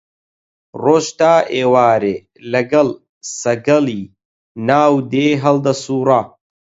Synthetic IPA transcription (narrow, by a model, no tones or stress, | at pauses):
roːʃt̪aːʔeːwaːɾeː | lɐɡɐl | sɐɡɐliː | naːwd̪eːɦɐld̪ɐsuːɾa